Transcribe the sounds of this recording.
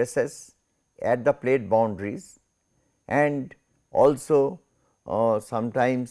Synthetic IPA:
eses | ɛʈ̚d̪əpleːʈ̚bãʊ̃ɳɖɾiz | ʔɛ̃ɳɖ | ɔːlso | sʌ̃mʈãɪ̃mz

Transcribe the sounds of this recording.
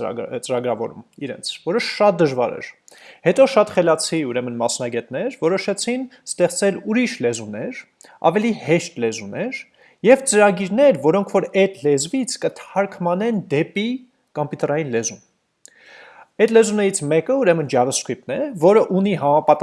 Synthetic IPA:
t͡səɾɑɡɾɑvɔɾumiɾɛ̰nt͡sʰvɔɾəʃɑt̪̚d̪əʒvɑɾɛ̰ɾ | hɛt̪ɔʃɑt̪χɛlɑt͡sʰiuɾɛmənmɑsnɑɡɛt̪nɛɾvɔɾɔʃɛt͡sʰinst̪ɛχt͡sɛluɾiʃlɛzunɛɾ | ɑ̰vɛlihɛʃt̪lɛzunɛɾ | jɛvt͡səɾɑɡiɾnɛɾvɔɾɔŋkʰvɔɾɛt̪ʰlɛzvit͡sʰkət̪ʰɑɾkʰmɑnɛnd̪ɛpi | kɔmpjut̪ɛɾɑjinlɛzum | ɛt̪lɛzunɛɾit͡sʰmɛkəuɾɛmənd͡ʒɑvəskup̚nɛvɔɾəʔuniɦɑmɑpɑt̪

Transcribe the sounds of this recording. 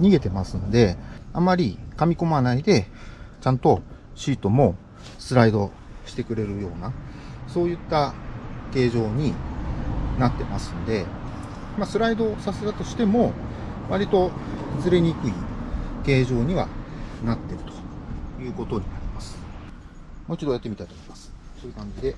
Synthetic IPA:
ɲ̟iɡe̞t̪e̞masɨnod̪e̞amaɾʲikamʲiko̞manaid̪e̞t͡ɕãnt̪o̞ | ɕiːt̪o̞mo̞ | sɨɾaid̪o̞ | ɕi̥t̪e̞kɯ̟ɾe̞ɾɯ̟jo̞ːnaso̞ːjɯ̟t̪ːake̞ːʑo̞ːɲ̟i | nat̪ːe̞ma̰sɨ̥̃nod̪e̞ | masɨɾaid̪o̞sase̞t̪at̪o̞ɕi̥t̪e̞mo̞βaɾʲit̪o̞zɨɾe̞ɲ̟ikɯ̟ike̞ːʑo̞ːɲ̟iβa̰nat̪ːe̞ɾɯ̟̥t̪o̥jɯ̟ːko̞t̪o̞ɲ̟inaɾʲimasɨ̥ | mo̞ːit͡ɕid̪ojat̪ːe̞mit̪ai̥t̪omoimasɨ̥soːjɯ̟kãɲ̟d͡ʑid̪e̞

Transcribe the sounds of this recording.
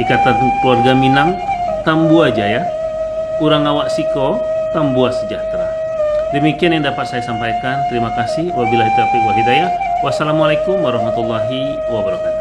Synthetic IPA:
ikat̪anparɡaminaŋ | t̪ambuad͡ʒaja | uɾaŋawaʔsiko | t̪ambuasəd͡ʒat̪ɾa | dəmikianjaŋdapat̪̚sajasampajkant̪əɾimakasɪhwabilaɦit̪uapiʔwaɦidajah | wasalamalajkumwaɾaɦmat̪ulːaɦi | wabəɾakat̪

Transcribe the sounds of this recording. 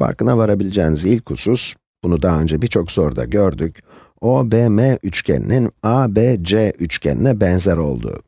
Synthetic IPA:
fa̰ɾkɯnavaɾabilʲid͡ʒɛːnizilʲcʰusus | b̥unud̪aɦaø̞nd͡ʒɛbiɾt͡ʃʰo̞kso̞ɾd̪a̰ɟø̞ɾd̪yc | o̞beːmeʔyt͡ʃcʰḛnḭninabeːd͡ʒeʔyt͡ʃcʰḛnḭnɛbɛnzæɾo̞̰lˠd̪ṵ

